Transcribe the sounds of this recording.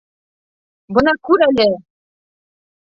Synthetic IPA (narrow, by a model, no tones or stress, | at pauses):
bɤ̆nɑkʉɾælɘ